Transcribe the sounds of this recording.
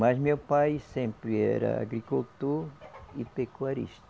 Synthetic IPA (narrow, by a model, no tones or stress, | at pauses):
mɐzmewpajsẽmpɾɪɛ̰ɾɐ̰a̰ɡɾikult̪oɾipekuaɾḭʃt̪ɐ